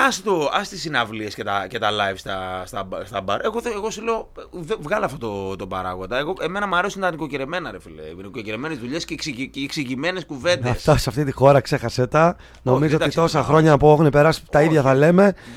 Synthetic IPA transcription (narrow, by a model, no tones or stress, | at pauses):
ɐsit̪oɐst̪isinɐvliescet̪ɐcet̪ɐlɐjvst̪ɐst̪ɐbst̪ɐbɐɾeɣoðeɣo̞suleoðevɣɐleɐft̪ot̪ot̪opɐ̰ɾɐ̰ɣo̞d̪ɐeɣo̞ʔeme̞nɐmɐɾesunt̪ɐnikociɾeme̞nɐɾefilḛinikociɾeme̞nezðuʎesceksiksiʝime̞neskuve̞nd̪ɐsftt̪ɐseɐft̪it̪ixo̞ɾɐkse̞xɐset̪ɐ | no̞mizooɐist̪o̞sɐxɾo̞ɲɐpuexunepe̞ɾɐsi̥t̪ɐiðʝɐθɐle̞me̞